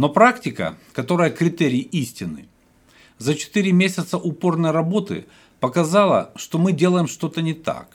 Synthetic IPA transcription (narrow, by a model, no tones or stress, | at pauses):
no̞pɾaktʲɪkə̰kɐt̪o̞ɾəjəkɾʲɪt̪eɾʲɪːʔisʲtʲɪnɨ̰ | zət͡ɕɪ̥t̪ɨɾʲɪmʲesʲət̪səʔʊpo̞rnəjrɐbo̞t̪ɨ̰ | pəkɐzalˠə̰ʂt̪omɨdʲe̞lˠəjɪmʂt̪o̞t̪ənʲɪt̪a̰k